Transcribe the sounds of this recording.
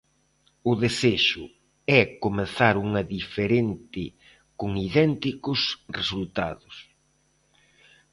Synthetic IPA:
ʊðeseʃʊ | ɛkomeθaɾuŋɐðifeɾent̪ɪ | kʊŋiðɛnt̪ikʊsresult̪a̰ðʊs

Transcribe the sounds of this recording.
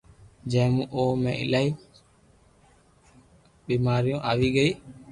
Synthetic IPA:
d͡ʒɛ̃ːmũːʔoːmɛ̰̃ɪ̰lai | ɓiːmaːɾijõːʔaːʋiːɡəi

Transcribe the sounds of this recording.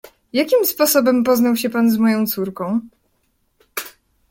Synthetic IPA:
jakʲimspɔsɔbɛmpɔznawɕɛpanzmɔjɔ̃w̃t̪suɾkɔ̃w̃

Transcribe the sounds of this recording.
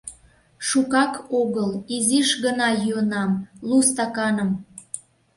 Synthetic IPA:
ʃukɑkoɣəliziʃɣənɑjyənɑmlust̪ɑkɑnəm

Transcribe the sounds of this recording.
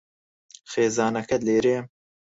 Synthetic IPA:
xeːzɑːnɐkɐd̪leːɾeːm

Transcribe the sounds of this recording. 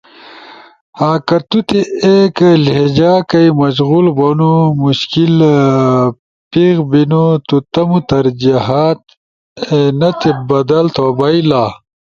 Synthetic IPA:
haːkɐt̪ut̪eekled͡ʑaːkɐimɐɕɣulbonumuɕkil | piɣbinut̪ut̪ɐmut̪ɐɾd͡ʑiɦat̪̚ | enɐt̪ʰebɐd̪ɐlt̪ʰoːbɐilaː

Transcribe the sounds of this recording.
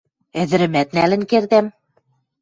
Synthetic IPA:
ɘ̆ðɘ̆ɾɘ̆mæt̪̚nælɘ̆nkerðæm

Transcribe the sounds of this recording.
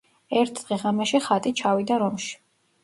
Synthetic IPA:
ɛɾt̪ʰd̪̥ʁɛʁamɛʃiχat̪ʼit͡ʃʰavid̪aɾɔmʃi̥

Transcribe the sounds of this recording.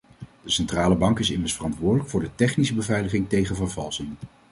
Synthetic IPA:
d̥əsɛntraːləbɑŋkɪsɪməɹsfərɑntʋʊːɹdələkfʊːɹdətɛχnisəbəvɛjləχɪŋtejχənvəɹvɑlˠsɪŋ

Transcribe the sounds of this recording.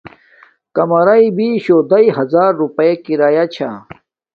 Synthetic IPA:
kɐmɐɾɐibiɕod̪ɐiɦɐzaːɾːupɐjekiɾaːjat͡ɕʰa̰

